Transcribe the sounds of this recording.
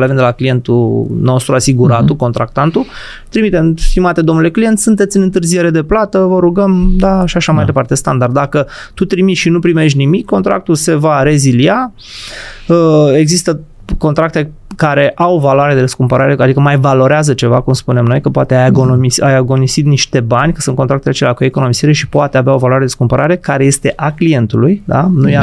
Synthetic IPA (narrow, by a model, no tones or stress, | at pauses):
levend̪elaklije̞nt̪uno̞st̪ɾuasiɡuɾat̪uko̞nt̪ɾak̚t̪ant̪u | t̪ɾimit̪emst̪imat̪ed̪omnule̞klije̞nt̪sunt̪e̞t̪sʲɨnɨnt̪ɨrzije̞ɾe̞d̪e̞plat̪əvəɾuɡəmd̪aʃiaʃamajd̪e̞part̪e̞st̪and̪ard̪d̪akə | t̪ut̪ɾimit̪ʃinupɾime̞ʃt̪ʲnimikːo̞nt̪ɾa̰k̚t̪ulse̞vaɾe̞zilia | əe̞ɡzist̪ə | ko̞nt̪ɾak̚t̪e̞ | kaɾe̞ʔawvalowaɾead̪eəskumpəɾaɾe̞ad̪ikəmajvalo̞ɾeazət͡ʃe̞vakumspune̞mno̞jkəpoa̰t̪eajaɡonomisajaɡo̞nisit̪niʃt̪e̞banʲkə̥sunt̪kot̪ɾakt̪elat͡ʃelʲakue̞ko̞no̞misiɾe̞ʃipoat̪eaveao̞valoaɾed̪eskumpəɾaɾe̞kaɾe̞je̞st̪e̞ʔaklije̞nt̪ulujd̪a̰nuj